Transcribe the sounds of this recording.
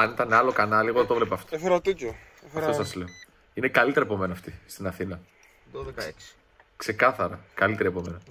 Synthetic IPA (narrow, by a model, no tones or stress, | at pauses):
ɐnit̪ɐneɐlo̞kɐnɐliɣoðet̪o̞vlepɐːft̪oefeɾot̪ico | ɐft̪osɐzle̞o | inekɐlit̪e̞ɾɐepo̞me̞nɐɐft̪ist̪inɐθinlɐ | kse̞kɐθɐɾɐkɐlit̪eɾiepo̞me̞nɐ